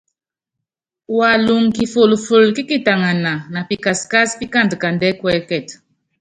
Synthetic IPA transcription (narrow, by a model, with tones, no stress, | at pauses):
wa˨lu˨ŋki˨fo˨lfu˨lki˦ki˦ta˨ŋa˨na˨na˨pi˨ka˨ska˦spi˦ka˦ndka˨ndɛ˦kwɛ˦kɛ˦˨t